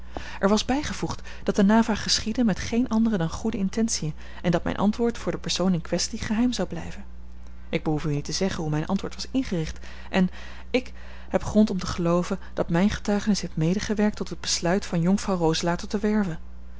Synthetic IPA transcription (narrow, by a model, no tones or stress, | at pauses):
ʔɛɹʋɑzbɛjχəvuχt | d̥ɑt̚dənaːvaːχəsχidənmɛtχejnʔɑndərədɑnχudəɪntɛnsiən | ɛndɑtmɛ̰jnʔɑ̰ntʋʊːɹtfʊːɹdəpɛɹsownɪnkʋɛstiχəɦɛjmzɑwblɛ̰jvən | ʔɪɡ̚bəɦufynitəzɛχənɦumɛjnʔɑ̰ntʋʊːɹtʋɑsɪnχərɪχt | ʔɛn | ɪk | hɛpχrɔntɔmtəχəlowvənd̥ɑtmɛjnχə̥tœɥχənɪsɦeftmejdəχəʋɛɹk̚tɔtɦəd̚bəslœɥtfɑnjʊŋfrɑwrowzəlaːtɔtəʋɛɹvən